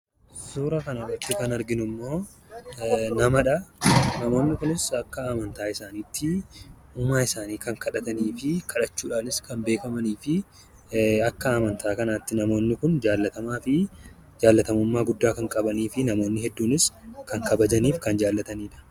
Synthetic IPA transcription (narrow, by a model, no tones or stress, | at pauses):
suːɾɐkɐnɐrɐt̪ːɪkɐnɐɾɡɪnʊmːo̞ː | nɐmɐᶑɐnɐmo̞ːnːɪkʊnɪsɐkːɐaːmɐnt̪aːɪsaːniːt̪ʰːɪ | uːmaːɪsaːniːkɐŋkɐᶑɐt̪ɐniːfɪkʰɐᶑɐt͡ʃːuːᶑaːnɪskɐmbe̞ːkɐmɐniːfɪ | ɐkːɐaːmɐnt̪ʰaːkɐnaːt̪ːɪnɐmo̞ːnːɪkʊnd͡ʒaːlːɐt̪ɐmaːfɪ | d͡ʒaːlːɐt̪ɐmʊmːaːɡʊd̪ːaːkɐŋkʼɐbɐniːfɪnɐmo̞ːnːɪɦɛd̪ːuːnɪskɐŋkɐbɐd͡ʒɐniːfkɐnd͡ʒaːlːɐt̪ɐniːᶑɐ̥